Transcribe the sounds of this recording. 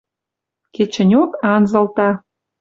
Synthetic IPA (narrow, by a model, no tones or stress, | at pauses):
ket͡ɕə̆nʲokɑnzɤ̆lt̪ɑ